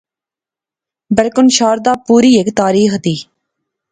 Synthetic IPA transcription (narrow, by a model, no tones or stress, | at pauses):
bɪlkʊnʃaːɾd̪aːpuːɾiːekt̪aːɾiːxd̪iː